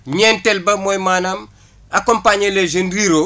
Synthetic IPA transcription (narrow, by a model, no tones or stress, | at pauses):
ɲeːntelbɐmojmaːnam | akompaːɲeleʒendɾiːɾo